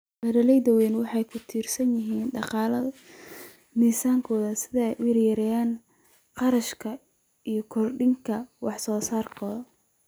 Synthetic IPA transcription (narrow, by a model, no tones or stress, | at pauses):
bɐɾɐlɛjðɐwɛːnwɑħɑjkʰʊt̪ʰiːrsɐnjɪɦiːnɖɑqɑːlɐ | miːsaːŋkʰɔːðɐsɪðɐjʊɪrjɐɾɛjaːn | qɑɾɐʃkʰɐ | ijɔkʰɔrɖɪŋkʰɐwɑħsɔːsaːrkʰɔː